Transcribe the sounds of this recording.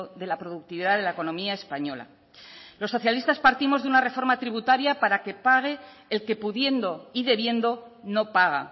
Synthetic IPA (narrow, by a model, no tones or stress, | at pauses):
ðe̞lapɾo̞ðuk̚t̪iβiðaðe̞laeko̞nõ̞miae̞spaɲo̞la̰ | lo̞sːo̞θjalist̪aspaɾt̪imo̞zðeunare̞fo̞ɾmat̪ɾiβut̪aɾjapaɾake̞paɣ̞e̞ː | lke̞puðje̞nd̪o̞iðe̞βje̞nd̪o̞no̞paɣ̞a̰